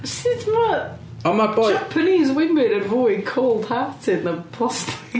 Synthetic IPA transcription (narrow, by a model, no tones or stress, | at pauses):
sɪtmɔ | ɔmabɔd͡ʒapʰəniːzwɪmɪdə̃nvɔjkʰoːlˠd̥haːtʰɪdnəpʰlˠɔstʰɪ̥k